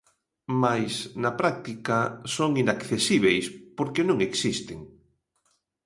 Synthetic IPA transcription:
majsnɐpɾak̚t̪ikasoŋinakθesiβ̞ejspoɾkenõŋeksist̪eŋ

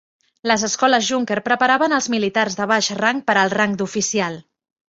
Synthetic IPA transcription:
ləzəskɔləzʒuŋkeɾpɾəpəɾaβənəlˠzmilit̪arzðəβ̞aʃraŋ̚pəɾəlˠraŋd̪ufisialˠ

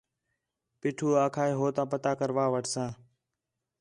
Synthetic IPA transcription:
pɪːʈʰuːaːkʰaːeːɦoːt̪ãːpət̪aːkəɾʋaːʋəʈʰsãː

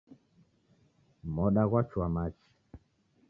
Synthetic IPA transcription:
mɔɗaɣwat͡ʃwamat͡ʃi̥

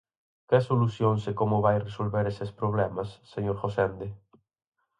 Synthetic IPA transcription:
kesoluθjonsekomoβajresolβeɾesespɾoβ̞lemasːeɲoɾχosend̪e

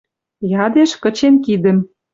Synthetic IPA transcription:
jɑd̪eʃkə̆t͡ɕenkid̪ə̆m

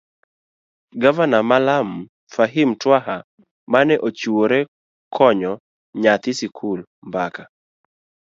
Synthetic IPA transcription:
ɡavanamalam | faɦimtwaɦa | manɛʔot͡ʃuoɾɛ | kʰɔɲɔ | ɲat̪ɪsikʰul | mbaka

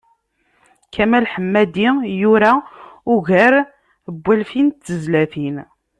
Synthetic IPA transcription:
kʰæmælħəmːæd̪ijuɾaʊʝəɾ | əbʷːælfint̪ːəzlæθin

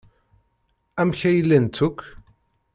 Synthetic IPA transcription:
æmçæjəlːænt̪ʰːʊk

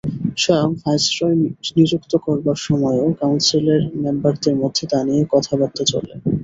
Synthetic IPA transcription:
ʃɔjoŋfajsʈɾɔjnid͡ʑukt̪okɔɾbaɾʃɔmɔeeokawnsileɾmembaɾt̪eɾmod̪ʱːet̪anijekɔt̪ʰabaɾ̚t̪ːot͡ɕo̰lḛ

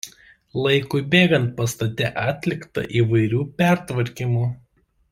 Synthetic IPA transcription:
lˠɐɪkʊɪbʲeːɡɐnt̪̚pɐst̪ɐt̪ʲɛʔɑːt̪ʲlʲɪkt̪ɐ̰ʔiːʋɐɪɾʲuːpʲæˑɾt̪ʋɐɾʲkʲimuː

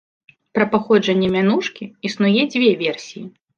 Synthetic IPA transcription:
pɾɐpaxɔd͡ʐɐnʲːɛmʲanuʂkʲiisnujɛd͡zʲvʲɛvʲɛrsʲiji

